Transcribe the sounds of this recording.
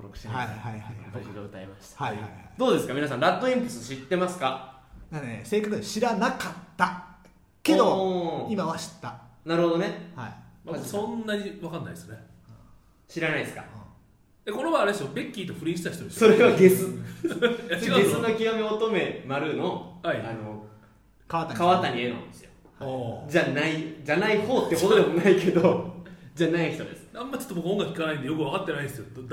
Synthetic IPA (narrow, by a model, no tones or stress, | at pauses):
oɾokɯ̟ɕeaaaihat̪kid̪oɯt̪aḛmaɕi̥t̪ḁiaiad̪o̞ːd̪e̞sɨ̥kamʲinas̬ãnɾat̪ːo̞ĩmpɯ̥sɨɕit̪ːe̞masɨ̥ka | d̪anese̞ːkakɯɕiɾanakat̪ːa | ked̪oimaβaɕi̥t̪ːanaɾɯhod̪o̞nehaimasõ̞nːaɲ̟iβakanːaisɨne | ɕiɾanaisɨ̥kã̰ | eko̞neβaːɾed̪esɨjobe̞kʲːiːt̪o̞ɸɯ̟ɾiːɕi̥t̪açi̥t̪oesso̞ɾeβaɡe̞sɨ | aɡe̞sɨnokʲiomeot̪o̞me̞maɾɯ̟no̞haiano | kaat̪kaβat̪aɲ̟ieɾɯ̰nd̪esɨjo̥ | od͡ʑanaid͡ʑanaiho̞ːt̪ːe̞kot̪od̪emo̞naikʰe̞d̪od͡ʑanaiçi̥t̪o̞̰d̪e̞sɨ̥nãmːat͡ɕot̪obokɯõŋɡakɯikanaĩnd̪ejo̞kɯβakat̪ːe̞naid̪esɨjo